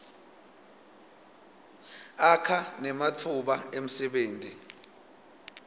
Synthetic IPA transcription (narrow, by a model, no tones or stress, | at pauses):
akʰanɛmatʰuɓaem̩sɛɓeːntʼi